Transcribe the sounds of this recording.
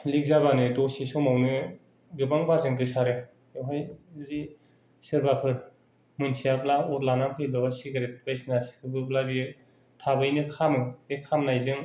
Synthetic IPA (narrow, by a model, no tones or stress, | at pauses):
lik̚zabanɯdɔsisɔmawnɯ | ɡɯbaŋbazɯŋdɯsaɾɯ | ɯwɦajzi | sɯɾbapʰɯɾ | mɯnsijablaɔɾlanampʰɯjlɔsiɡaɾet̚bajsnasi̥kʰɯbɯblabi | tʰabɯjnɯkʰamɯekʰamnajzɯŋ